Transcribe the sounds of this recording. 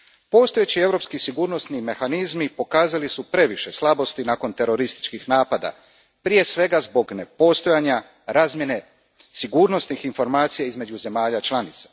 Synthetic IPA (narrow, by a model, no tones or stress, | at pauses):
po̞st̪o̞jet͡ɕie̞vɾo̞pskisiɡuːɾno̞st̪nime̞xanizmipo̞kaːzalisupɾe̞ʋiʃe̞slˠabo̞st̪inaːko̞nt̪e̞ɾo̞ɾist̪i̥t͡ʃkixnaːpad̪a̰ | pɾije̞sʋe̞ɡazbo̞ɡne̞po̞st̪o̞jaːɲa | ɾaːzmje̞ne̞ | siɡuːɾno̞st̪nixinfo̞ɾmaːt̪sijaizme̞d͡ʑuze̞maːʎat͡ʃlˠanit̪sḁ